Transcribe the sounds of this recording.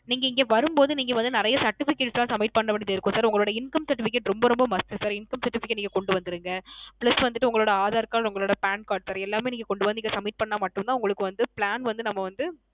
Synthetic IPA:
niːŋɡɐɪŋɡɐʋɐɾɯmpoːðɯniːŋɡɐʋɐnd̪ɯnɪɾɐjɐsɐɾʈːɪfɪkːeːʈslãːsɐmɪʈ̚pɐɳːɐʋɐɳɪðɪɾɯkːʊ̃ːsaːɾʊŋɡɐɭoːɽɐɪnkɐmsɐɾʈːɪfɪk̬ːeʈɾɔmbɐɾɔmbɐmɐst̪ɯsaːɾɪnkɐmsɐɾʈːɪfɪkːʈniːɡɐkɔɳɖɯʋɐnd̪ɪɾɯŋɡɐpɭɐsʋɐnd̪ɯʈːɯʊŋɡɐɭoːɽɐaːðaːɾkaːlʊŋɡɐɭoːɽɐpaːnkaːɾʈsaːɾɛlːaːmeːniːŋɡɐkɔɳɖɯʋɐnd̪ɪkːɡɐsɐmɪʈ̚pɐɳːaːmɐʈːɯmt̪ãːʊŋɡɐɭɯkːɯʋɐnd̪ɯpɪɭaːnʋɐnd̪ɯnɐmːɐʋɐnd̪ɯ

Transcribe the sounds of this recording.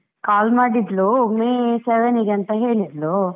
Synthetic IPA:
kaːlmaːɖid̪loːmeseʋeniɡɐnt̪ɐɦeːɭid̪lo

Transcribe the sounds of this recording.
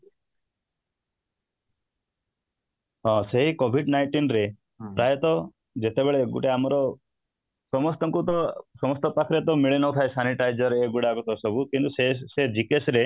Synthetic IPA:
ɦɔ̃seɦikobʱiɖnajʈinɾe | pɾajɔt̪ɔ | d͡ʒet̪ebeɭeɡṵʈeamɔɾɔ | sɔmɔst̪ɔŋkut̪ɔsɔmɔst̪ɔpakʰɾet̪ɔmiɭenɔt̪ʰaesaniʈajd͡ʒɔɾeɡuɽakut̪ɔsɔbʱukint̪usesed͡ʒikesɾe

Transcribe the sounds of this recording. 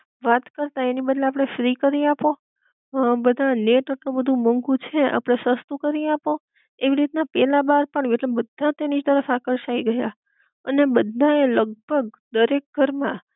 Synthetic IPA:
ʋat̪kəɾt̪aenibəd̪leapɽ̃efɾikəɾiapo | bəd̪ʱaneʈəʈobəd̪ʱũməŋɡũt͡ʃʰea̰pɽ̃esəst̪ukəɾiapo | eʋiɾit̪napɛlabaɾpəɳeʈlebəd̪ʱːãt̪enid͡ʒt̪əɾəfakəɾʃaiɡəja | ənebəd̪ʱaeləɡ̚bʱəɡ̚d̪əɾek̚ɡʱəɾmã

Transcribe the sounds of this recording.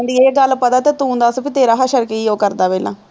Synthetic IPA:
nd̪ieːɡəlpət̪aːt̪eːt̪ũːnd̪aːspit̪eːɾaːɦaʃəɾkeiːoːkəɾd̪aːpɛːlã̰ː

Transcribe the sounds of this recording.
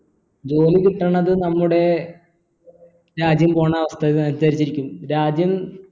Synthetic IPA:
d͡ʑo̞ːlikiʈːɐɳːɐðɨnɐmːuɽe̞ | ɾaːd͡ʑjɐmpo̞ːɳaʋɐst̪ʰɐiɐmsaːɾit͡ɕːiɾikʲːumɾaːd͡ʑjɐm

